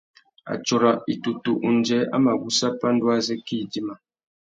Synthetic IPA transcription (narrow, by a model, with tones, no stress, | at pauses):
a̰˨t͡ʃo˨ɾa˨i˨tu˨tu˨ʔu˨n˨d͡ʒɛ˨˦a̰˦ma˨ɡu˦sa˦pa˦n˦dwa˦zɛ˦ki˦˨di˦ma˨